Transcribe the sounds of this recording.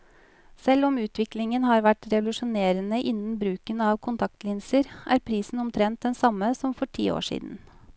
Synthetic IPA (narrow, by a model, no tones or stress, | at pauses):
sɛlːɔmʉːt̪ʋɪklɪŋənhɑːɾʋæʈɾɛʋʊlʉʂʊneːɾənəʔɪnːn̩bɾʉːkənɑːʋkʰʊnt̪ʰɑk̚t̪lɪnsəɾʔæ̰ːɾpʰɾiːsn̩ɔmt̪ʰɾɛnt̪̚d̪ɛnsɑmːəsɔmfɔʈʰḭːo̰ːʂḭːd̪n̩